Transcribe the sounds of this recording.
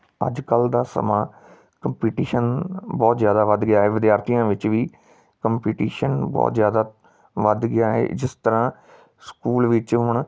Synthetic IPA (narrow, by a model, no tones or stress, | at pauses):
ə̰d͡ʒkəld̪aːsə̰mãː | kəmpiːʈiːʃənbɔːt̪zjaːd̪aːʋəd̪ɡɪjaːɦeːʋɪd̪jaːɾt̪ijãːʋɪt͡ʃʋiː | kəmpiːʈiːʃənbɔ̰ːt̪zjaːd̪aː | ʋəd̪ɡɪjaːɦḛːd͡ʒɪst̪əɾãː | skuːlʋɪt͡ʃɦʊɳ